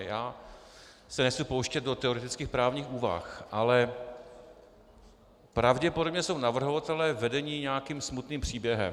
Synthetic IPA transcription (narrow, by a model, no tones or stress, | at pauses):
jaː | sɛnɛxt͡supowʃcɛt̪̚do̞t̪ɛoɾɛt̪ɪt͡skiːxpɾaːvɲiːxuːva̰xʔalɛ | pɾavɟɛpodo̞bɲɛso̞wnavr̩ɦovat̪ɛlɛːvɛdɛɲiːɲɛaakiːmsmut̪niːmpr̝̥iːbjɛɦɛ̰m